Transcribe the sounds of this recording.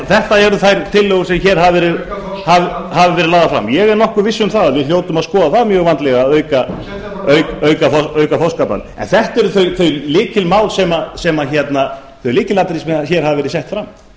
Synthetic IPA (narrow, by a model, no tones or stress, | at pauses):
θɛht̪aɛɾðʏθajɾt̪ʰɪlːɔɣʏɾ̥sɛmçɛːɾ̥ɦavɛːɾɪðhavhavɪvɛɾɪðlaːðafɾa̰mjɛɣɛɾnɔhkʏɾvɪsːʏmθaðavɪðljoːwt̪ʏmaðskɔːðaθaðmjœːɣvant̪lɛɣaœːɥka | œɥkœɥkafœɥkafowskapa̰nɛ̰nθɛht̪ɛɾʏθœɥθœɥlɪːcɪlmaːwlsɛmasɛmaçɛt̪na | θœɥlɪːcɪlaːt̪ɪɾismɛçɛːɾ̥havɪvɛɾɪsɛht̪fɾamː